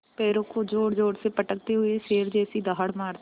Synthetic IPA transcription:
peːɾokʰoːd͡ʒoːɽd͡ʒoːɽseːpəʈək̚t̪eːɦʊeseːɾd͡ʒeːəsĩːd̪aːɦəɽmaːɾt̪

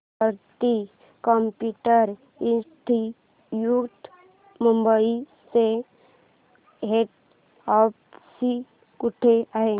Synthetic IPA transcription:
əɾt̪i | kɔmpjuʈəɾ | it̪ʰi | juɡt̪ | mumbəise | ɦeʈ | ɔpsi | kuʈʰeaɦe

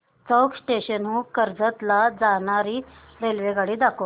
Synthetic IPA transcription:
t͡səksʈeɕənɦuːkəɾd͡zət̪lad͡zaɳ̃aɾiː | ɾelʋeɡaɽiːd̪ako

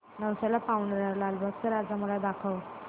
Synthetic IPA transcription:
nəwsalapawɳɖəɾalalbʱək̚səɾad͡zaməlad̪akʰəʋ

